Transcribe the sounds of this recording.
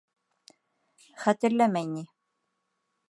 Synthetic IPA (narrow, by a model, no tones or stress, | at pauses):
χæt̪ɘ̆ɾlæmæjni